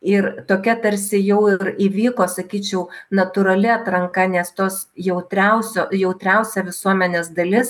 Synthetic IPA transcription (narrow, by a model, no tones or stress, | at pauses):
ɪrt̪oːkʲɛt̪ɐɾʲsʲɪjɛʊɪɾiʋʲiːkoːsɐkʲiːt͡ʃʲɛʊnɐt̪ʊɾɐlʲɪɐt̪ɾɐŋkɐnʲɛst̪oːs | jɛʊt̪ʲɾʲɛʊsʲoːjɛʊt̪ʲɾʲɛʊsʲɛʋʲɪsuɔmʲɛnʲeːsd̪ɐlʲɪs